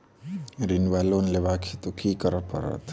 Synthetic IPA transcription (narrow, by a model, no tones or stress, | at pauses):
ɾinʋalonleʋakʰit̪ukʰikəɾəpə̰ɾə̰t̪